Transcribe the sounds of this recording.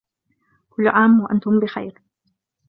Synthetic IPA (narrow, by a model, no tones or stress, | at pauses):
kʊlːʕaːmwaʔant̪ʊmbɪxa̰jɾ